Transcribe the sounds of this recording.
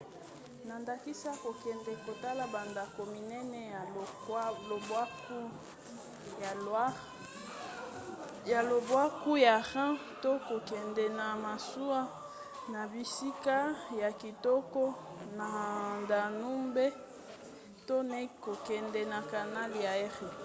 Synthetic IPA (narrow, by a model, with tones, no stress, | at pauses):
na˨nda˨ki˦sa˦ko˨kɛ˨ndɛ˨ko˨ta˦la˨ba˨nda˨ko˨mi˨nɛ˦nɛ˦ja˨˦o˨bwa˦ku˦˨˦ | ja˨lo˨bwa˦ku˦ja˨ʁã˦ | to˦ko˨kɛ˨ndɛ˨na˨ma˨su˦a˦ | na˨bi˨si˦ka˦ja˨ki˨tɔ˦kɔ˦na˨nda˨nu˦mbe˦ | to˦nɛ˦ko˨kɛ˨ndɛ˨na˨ka˨na˦li˨ja˨ɛ˦ʁi˨